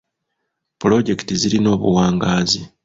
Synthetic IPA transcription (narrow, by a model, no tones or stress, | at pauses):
pulo̞ɟe̞ki̥tiziɾino̞ːβuwaːŋɡaːzi